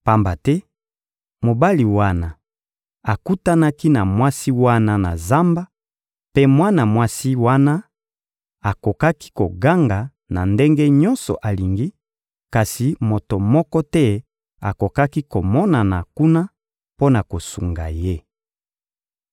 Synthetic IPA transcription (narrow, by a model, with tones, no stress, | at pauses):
pa˨mba˨tɛ˦ | mo˨ba˦li˨wa˦na˨ | a˨ku˦ta˦na˦ki˦na˨mwa˦si˦wa˦na˦na˨za˦mba˦ | pe˦mwa˦na˨mwa˦si˦wa˦na˦ | a˨ko˨ka˦ki̥˦ko˨ɡa˦ŋɡa˨ | na˨nde˦ŋɡe˦ɲɔ˦nsɔ̰˨ʔa˨li˨ŋɡi˦ | ka˨si˨mo˨to˨mɔ˦kɔ˦tɛ˦ | a̰˨ko˨ka˦ki˦ko˨mɔ˦na˨na˨ku˦na˦ | po˦na˨ko˨su˨ŋɡa̰˨je˦